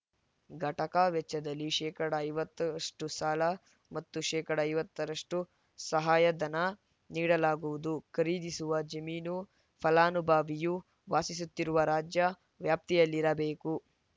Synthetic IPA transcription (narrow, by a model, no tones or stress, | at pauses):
ɡʱɐʈɐkaːʋɛt͡ʃːɐd̪ɐlːiʃɛːkɐɽɐːjʋɐt̪ːɐɾɐʂʈusaːlɐ | mɐt̪ːuʃɛːkɐɽɐːjʋɐt̪ːɐɾɐʂʈu | sɐɦaːjɐd̪ɐnɐ | niːɽɐlaːɡuʋud̪ukɐɾiːd̪isuʋɐd͡ʒɐmiːnu | pʰɐlaːnubʱaːʋiju | ʋaːsis̬ut̪ːiɾuʋɐɾaːd͡ʒjɐ | ʋjaːp̚t̪ijɐlːiɾɐbeːku